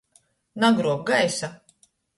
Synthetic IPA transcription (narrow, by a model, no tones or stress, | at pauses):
naɡɾuɔk̚ɡajsa